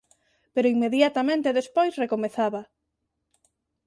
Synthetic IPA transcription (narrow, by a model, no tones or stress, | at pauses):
peɾoiŋmeðjat̪amẽnt̪eðespojsrekomeθaβa